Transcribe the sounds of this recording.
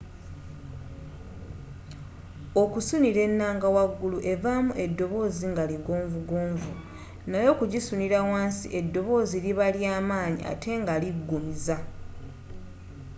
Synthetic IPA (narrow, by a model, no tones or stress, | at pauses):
o̞kusuniɾe̞nːaːŋɡawaɡːuluʔe̞vamuʔe̞dːo̞βo̞ːziŋɡaliɡo̞ːɱvuɡoːɱvu | najo̞kuɟisuniɾawaːnsiʔe̞dːo̞βo̞ːziliβaljaːmaːɲḭʔa̰tʰe̞ŋɡaliɡːumiza